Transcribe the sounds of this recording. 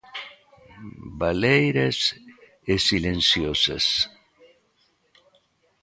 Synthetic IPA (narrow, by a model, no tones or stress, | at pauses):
balejɾes | esilensjosḛs